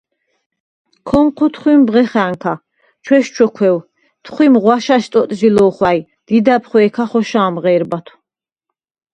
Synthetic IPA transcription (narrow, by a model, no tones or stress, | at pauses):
kʰɔmqʰɔt̪ʰχwimbʁɛχæːŋkʰa | t͡ʃʰwɛʃt͡ʃʰɔkʰwɛw | t̪ʰχʷwimʁwaʃaʃt̪ʼɔt̪ʼʒilɔχlaj | d̪̥id̪apʰχwɛːkʰaχɔʃaːmʁɛːɾbat̪ʰu̥